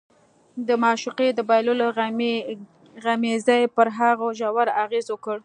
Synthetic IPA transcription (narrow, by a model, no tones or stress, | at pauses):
d̪əmɑʃuqed̪əbɑjlola | ɣamezajpəɾɦaɣoʒawaɾaɣezwəkəɽ